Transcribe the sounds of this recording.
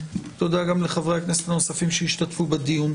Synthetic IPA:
t̪od̪aɡamleχavʁeaknese̥tano̞safimʃeiʃt̪atfubed̪ijun

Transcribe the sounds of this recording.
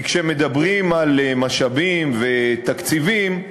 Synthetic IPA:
kʃemed̪abʁimalmaʃabimvet̪akt͡sivim

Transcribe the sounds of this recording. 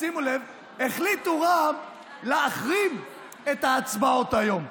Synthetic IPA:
simulev | eχlituʁam | leaχʁim | e̞t̪aːt͡sbao̞t̪ajo̞m

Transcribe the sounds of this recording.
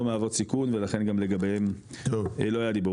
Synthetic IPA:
omeavot͡sikunvelaχe̞nɡamleɡabem | lo̞ajad̪ibo

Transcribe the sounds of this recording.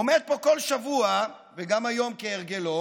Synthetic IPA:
omed̪̚po̞ko̞lʃavua | veɡamajo̞mkeeʁɡelo

